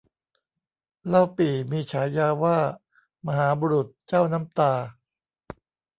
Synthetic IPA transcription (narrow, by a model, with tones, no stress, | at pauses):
la˦˧˩wpiː˨˩miː˧t͡ɕʰaː˩˦jaː˧waː˥˩ | ma˧ɦaː˩˦buː˧ɾu˨˩t̪̚t͡ɕaː˥˩wna˦˥mt̪aː˧